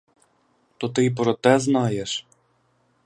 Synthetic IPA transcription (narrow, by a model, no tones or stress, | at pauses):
t̪ɔt̪ɪpɾɔt̪ɛznɑjeʃ